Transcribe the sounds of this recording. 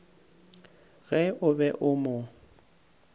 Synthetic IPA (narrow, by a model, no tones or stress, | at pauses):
ɣɛʔʊbɛʔʊmʊ